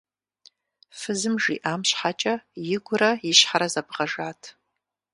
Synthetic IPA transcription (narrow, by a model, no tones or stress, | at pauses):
fɨzɨmʐḭʔamʃħat͡ʃʼɐjɪɡʷʊrɐɪʃħaɾazabʁaʐatʰ